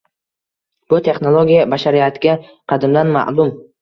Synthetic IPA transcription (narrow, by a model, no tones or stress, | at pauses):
b̥ʊt̪ʰe̞χnolˠoɡʲijabaʃaɾijat̪ʰɪɡʲa | qʰɑd̪ɪmd̪anma̰ʔlʊm